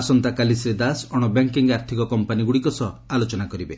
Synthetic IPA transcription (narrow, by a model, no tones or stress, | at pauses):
asɔnt̪akalisɾed̪asɔɽ̃ɔbeŋkiŋɡaɾt̪ʰikɔkɔmpaniɡuɽikɔsɔalot͡ʃɔnakɔɾibe